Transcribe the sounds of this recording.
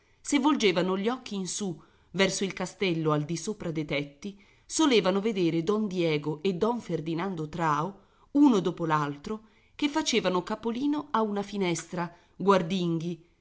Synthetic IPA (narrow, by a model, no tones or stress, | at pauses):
sevːold͡ʒeːvanoʎiɔkʰːiːnsu | vɛrsoilkast̪ɛlːoald̪isoːpɾad̪ejt̪ɛt̪ːi | soleːvanoved̪eːɾed̪ɔnd̪jɛːɡoʔed̪ːɔɱferd̪inand̪ot̪ɾaːo | unod̪oːpolalt̪ɾo | kefːat͡ʃeːvanokapoliːnoaunafinɛst̪ɾa | ɡward̪iŋɡi